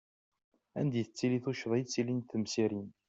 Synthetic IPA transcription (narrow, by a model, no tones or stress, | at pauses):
æ̰nd̪jiθət͡sːiliθuʃðˤjt͡sːilinθəmsiɾin